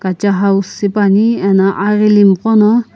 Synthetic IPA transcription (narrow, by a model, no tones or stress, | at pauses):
ɡ̥at͡ʃaɦausipaniɛnaʔaɾilimkɔnɔ